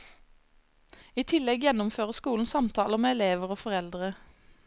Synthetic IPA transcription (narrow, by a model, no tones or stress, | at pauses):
iːt̪ʰɪlɛɡjɛnʊmføːʁəskuːln̩sɑmt̪ʰɑːləmeːɛleːʋəʁoːfɔʁɛld̪ʁə